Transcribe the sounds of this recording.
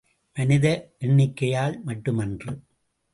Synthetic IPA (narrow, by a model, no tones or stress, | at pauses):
mɐnɪðɐʔɛɳːɪkːɐjaːlmɐʈːɯmɐndrɯ